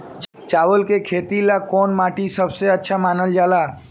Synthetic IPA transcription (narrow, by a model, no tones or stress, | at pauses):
t͡ʃaːʋəlkekʰeːt̪ilakɔːnmaːʈisəbseɐtːʃʰamaːnəld͡ʒaːlaː